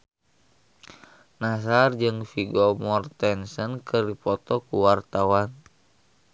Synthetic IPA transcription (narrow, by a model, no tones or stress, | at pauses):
nasard͡ʒɨŋfiɡɔmɔrt̪ɛnsənkɨrdipɔt̪ɔkuwart̪awan